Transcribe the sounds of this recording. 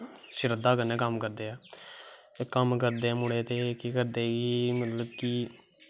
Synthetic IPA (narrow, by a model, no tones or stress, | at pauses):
ʃɪɾəd̪aːkənːẽːkəmkəɾd̪eːaː | kəmkəɾd̪eːmʊɽeːt̪eːkikəɾd̪eːɡiːmət̪ləb̚kiː